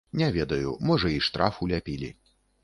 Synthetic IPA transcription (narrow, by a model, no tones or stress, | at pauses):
nʲɛvʲɛd̪ɐjumɔʐɐiʂt̪ɾafulʲapʲilʲḭ